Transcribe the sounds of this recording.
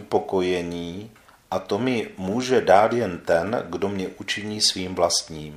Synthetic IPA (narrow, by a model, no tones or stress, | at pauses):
po̞ko̞jɛɲiː | ʔat̪o̞mɪmuːʒɛdaːt̪jɛnt̪ɛnɡdo̞mɲɛʔut͡ʃɪɲiːsviːmvlast̪ɲiːm